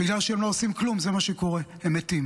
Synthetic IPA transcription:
biɡlalʃeemloosimklumzemaʃeko̞ʁehemet̪im

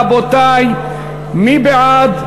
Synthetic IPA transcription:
bot̪aj | mibeʕad̪

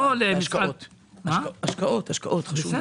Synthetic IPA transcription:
olemiʃat̪ | maaʃkaʔot̪haʃka̰ʔot̪χaʃu

